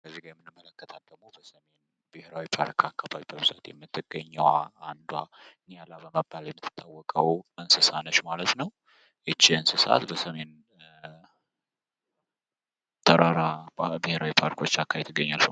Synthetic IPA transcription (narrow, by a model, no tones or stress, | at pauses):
kəzːiɡajɛmːɨnɨmːələkːət̪ʰəld̪əɡmo̞bəsəme̞n | bɨheɾawipʰaɾkʰakːabawibəβɨza̰t̪jɛ̰mːɨt̪ːɨɡəɲːəwaːnd̪waɨnejalabəməbːaljɛmːɨt̪ʰːɨ̥t̪ʼːawːɔkʼəwɨnsɨsanəʃmalət̪nəw | ʔɨt͡ʃːiɨnsɨsa̰t̪bəsəme̞n | t̪ʰəɾaɾabɨheɾawipʰaɾkʰo̞t͡ʃːakʰːajɛt̪ʰːɨɡːəɲːalf